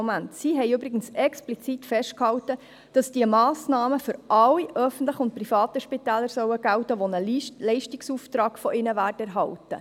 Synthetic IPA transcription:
mæntsiɦɛɪøbɾɪɡ̥ənsɛksplit͡sitfɛʃt̚khɑwtə | d̥ɑsd̥iəmɑːsnɑːməfʏɾɑlːiʔœfən̩tləχʊnt̚prifɑːt̪əʃpitæːləɾsœwəɡ̥æwtəʋonəlɛɪʃtiksuːft̪ɾɑːɡ̥fɔʔɪnəʋæːrtæɾɦɑltə̰

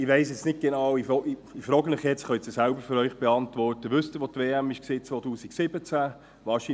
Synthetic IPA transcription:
ɪʋeɪsjɛt͡snɪt̚ɡ̥enɑwɪfɔifɾɔːɡənɪχjɛt͡sχœɪt͡səsæʊbəɾføɾœʏχb̥ɛɑntvɔrtəʋʏstəʋot̪veːæmɪʃkseːt͡sʋoːtuːsiksɪbət͡sæ | ʋɑːɾʃi

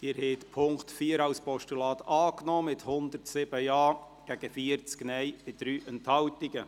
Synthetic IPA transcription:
ɪːɾhɛɪt̪pʰʊŋktfiːəɾɑwspɔʃtulɑːt̪ɑːknɔːmɪthʊnd̪əɾtsɪb̥əjɑː | ɡ̥æɡ̥əfiəɾt͡sknɛjmɪt̚d̥ɾyːʔɛnthɑwtiɡə

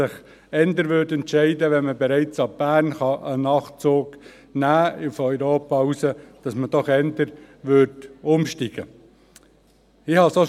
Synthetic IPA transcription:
ɪχ | ɛnd̪əɾʋøːɾtɛntʃɛɪdəʋɛnməbɛɾɛɪt͡sɑb̥æːɾnχɑʔənɑχt͡soːɡ | næːɪfœʏɾoːpɑusəd̥ɑsməd̥ɔχɛndəɾ | ʋʏɾtʊmʃtiɡ̥ə̰ | ɪhɑso

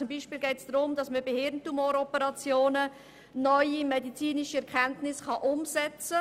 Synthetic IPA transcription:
ʊmbiːʃpiːlɡɛɪtsd̥ɾʊmdɑsməbehɪɾntumoːɾɔpəɾɑt͡sjoːnə | nœʏimɛdit͡siːniʃiɛɾkʰɛntnɪsχɑʔʊmsɛt͡sə

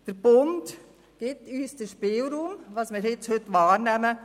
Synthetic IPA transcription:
d̥əɾb̥ʊnt | ɡ̥ɪtyːsdəʃpeːlɾuːmʋɑsmɪːɾhɪt͡shøtʋɑːɾnɛmə

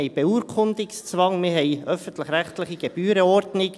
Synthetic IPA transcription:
ɛɪb̥euːɾkʰʊnd̪ɪkst͡svɑŋmɪːɦɛjœfən̩t̪ləχɾæχt̪ləχiɡ̥eb̥yːɾəɔɾdnɪk

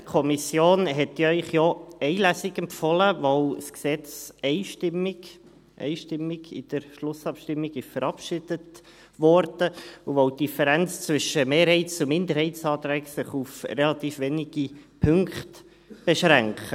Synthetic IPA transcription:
kʰɔmisjoːnɦɛtjœʏχjɔɛɪlæsɪɡɛmfɔləvɔwsksɛt͡sɛɪʃtɪmːɪɡ | ʔɛ̰ɪʃtɪmːɪɡɪ̰d̥əɾʃlʊsɑpʃtɪmːɪɡɪʃfəɾɑpʃɪd̥ət | ʋɔɾd̥əuʋɔwtd̥ifəɾɛnt͡st͡sʋʏʃəmeːɾhɛɪtt͡sʊmɪndəɾhɛɪtt͡sɑːt̪ɾɛksɪχufrɛlɑt̪iːfvɛniɡ̥ipʰʏŋkχt | b̥eʃɾæŋkχə

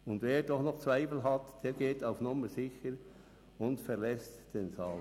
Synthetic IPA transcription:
ʊndveːdɔχnɔχt͡svaɪfl̩ɦɑtd̥eːɾɡ̥eːtaʊfnʊməzɪçəɾ | ʊndfɛʁlɛstd̥eːnt͡sɑːl

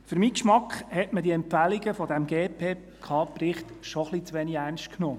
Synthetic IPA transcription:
fɵɾmiːkʃmɑkχhɛtmədiɛmpfælɪɡəfɔdæmɡeːpʰeː | kʰɑːprɪχt̪ʃɔχlit͡sʋeːniɡærnʃt̚kʰnoː

